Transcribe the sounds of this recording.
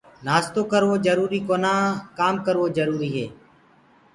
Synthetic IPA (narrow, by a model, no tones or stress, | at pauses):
naːst̪oːkəɾʋoːd͡ʒəɾuːɾiːkoːnãːkaːmkəɾʋoːd͡ʒəɾuːɾiːɦeː